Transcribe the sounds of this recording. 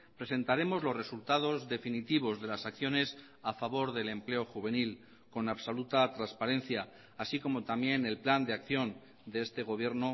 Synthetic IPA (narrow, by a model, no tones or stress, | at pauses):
pɾe̞se̞nt̪aɾe̞mo̞zlo̞zre̞sult̪að̞o̞zðe̞finit̪iβ̞o̞zðe̞lasakθjo̞ne̞s | afaβ̞o̞ɾðe̞le̞mple̞oxuβe̞nil | ko̞naβso̞lut̪at̪ɾanspaɾẽ̞nθjaː | siko̞mo̞t̪amje̞ne̞lpland̪eakθjo̞n | d̪e̞est̪e̞ɣ̞o̞β̞je̞ɾno